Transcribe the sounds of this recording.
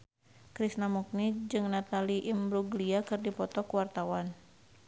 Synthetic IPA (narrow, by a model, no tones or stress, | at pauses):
kɾisnamuk̚nid͡ʒɨŋnat̪aliʔimbɾuɡliakɨrdipɔt̪ɔkuwart̪awan